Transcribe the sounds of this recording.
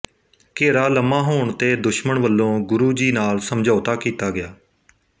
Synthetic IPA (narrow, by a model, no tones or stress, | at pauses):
keːɾaːləmãːɦoːɳt̪eːd̪ʊʃməɳʋəlːõːɡʊɾuːd͡ʒiːnaːlsəmd͡ʒʱaːt̪aːkiːt̪aːɡɪjaː